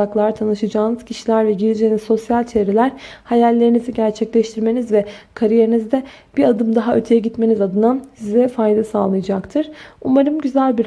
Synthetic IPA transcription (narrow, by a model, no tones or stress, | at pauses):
aklˠaɾt̪ʰanɯʃad͡ʒaːnɯz̥cʰiʃilʲæɾvɛɟiɾid͡ʒenizo̞sjalʲt͡ʃʰe̞ːɾelʲæɾ̥hajalʲːe̞ɾiniziɟæɾt͡ʃʰɛclʲɛʃt̪ʰiɾme̞nizvɛkʰaɾije̞ɾinizd̪ɛ | b̥iɾad̪ɯmd̪aɦaøt̪ʰejɛɟit̪me̞nizad̪ɯnansizɛfajd̪asaːlˠɯjɯd͡ʒakt̪ʰɯɾ̥umaɾɯmɟyzælʲbiɾ